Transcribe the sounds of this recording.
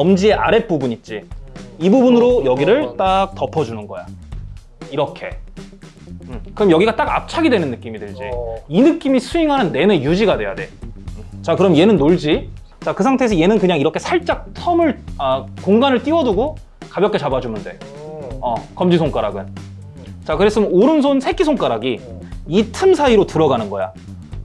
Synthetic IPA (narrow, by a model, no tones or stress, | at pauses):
ʌmd͡ʑie̞ʔa̰ɾe̞p͈ubuɲit͡ɕ͈iibubunɯɾojʌɡiɾɯɭt͈ak̚tʌpʰʌd͡ʑunɯnɡʌ̰ja̰ | iɾʌkʰe̞̰ | kɯɾʌmjʌɡiɡat͈aɡa̰p̚t͡ɕʰaɡidwe̞nɯnːɯk͈imidɯɭd͡ʑḭinɯk͈imisʰuiŋɦanɯnːe̞nejud͡ʑiɡadwe̞ja̰de̞ | t͡ɕakɯɾʌmje̞nɯnːoɭd͡ʑi | t͡ɕakɯsʰaŋtʰeːsʰʌje̞nɯnkɯɲaŋiɾʌkʰe̞sʰaɭt͡ɕ͈ak̚tʰʌmɯɭʌkoŋɡanɯɭt͈iwʌduɡo | kabjʌk͈ːet͡ɕabad͡ʑumunde̞̰ | ʌ̰kʌmd͡ʑisʰoŋk͈aɾa̰ɡɯn | t͡ɕakɯɾe̞s͈ɯmjnoɾɯns̬ʰonsʰe̞k͈ʰisʰoŋk͈aɾaɡiitʰɯmsʰaiɾotɯɾʌɡanɯnɡʌja̰